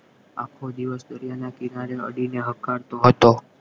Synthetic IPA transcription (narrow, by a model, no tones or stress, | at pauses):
a̰kʰod̪iʋəsd̪əɾijanakɪnaɾeə̰ɽineɦəkːaɾt̪oɦət̪o